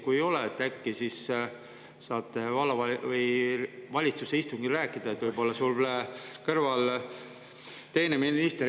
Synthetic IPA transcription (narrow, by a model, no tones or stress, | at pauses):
kujejo̞leet̪ːˑækːisis | sɑːt̪ːˑevɑlɑvɑlvɯjvɑlʲit̪suseist̪uŋɡiræːkːˑid̪̥ɑe̞t̪vɤjbo̞lːɑsulekɤrvɑl | t̪e̞jneminist̪e